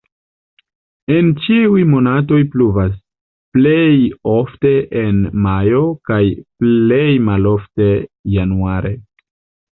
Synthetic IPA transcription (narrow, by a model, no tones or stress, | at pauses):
e̞nt͡ʃiujmo̞nat̬o̞jpluvas | ple̞jo̞fte̞ʔenmajo̞kajple̞jmalo̞fte̞januaɾʔe̞